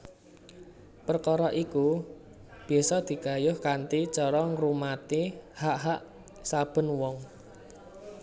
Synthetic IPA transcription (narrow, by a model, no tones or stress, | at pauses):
pərkɔɾɔʔiku | b̥̤ɛsɔd̪̥i̤ɡa̤jʊhkant̪it͡ʃɔɾɔŋɾumat̪ihaʔɦaʔ | sab̥ə̤nwɔŋ